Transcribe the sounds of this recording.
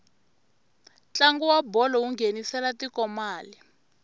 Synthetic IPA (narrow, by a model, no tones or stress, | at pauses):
t͡ɬaŋɡuwabɔlɔuŋɡenisɛlatikɔmaːli